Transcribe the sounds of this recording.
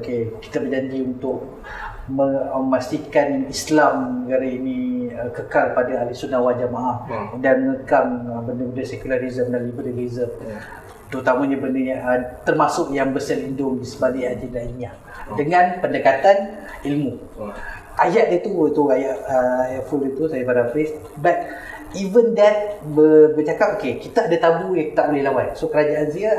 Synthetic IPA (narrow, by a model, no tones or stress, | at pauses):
keki̥t̪abərd͡ʒaɲd͡ʒiunt̪ʊʔ̚ | məmast̪ikanislamnəɡaɾainiəkəkalpadaalisunawald͡ʒamaʔahdanməŋəkaməbəndəbəndəsɛkulaɾizəmdanlibəɾiizəm | t̪əɾut̪amaɲabəndəət̪ərmasʊʔjaŋbəsəlindʊŋdisəbaliad͡ʒəndaiɲia | dəŋãnpəndəkat̪an | ilmu | ajaʔdət̪uət̪uajaʔəajaʔfulət̪usajabaɾafɪs | bat̪̚ | ivəndɛt̪̚bəbət͡ʃakap̚okekit̪aadat̪abujaŋt̪aʔbolɪhlawat̪̚sokəɾad͡ʒaʔansia